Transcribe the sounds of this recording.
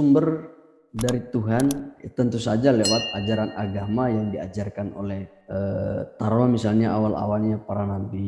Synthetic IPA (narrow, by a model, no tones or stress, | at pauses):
sumbər | daɾit̪uɦant̪ənt̪usad͡ʒalewat̪̚ad͡ʒaɾanʔaɡamajaŋdia̰d͡ʒarkano̰lɛh | ət̪aɾolamisalɲaawala̰walɲapaɾanambi